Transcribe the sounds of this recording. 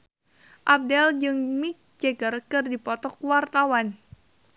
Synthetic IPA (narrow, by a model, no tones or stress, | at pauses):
ʔab̚dɛld͡ʒɨŋmik̚d͡ʒeɡərkɨrdipɔt̪ɔkwart̪awan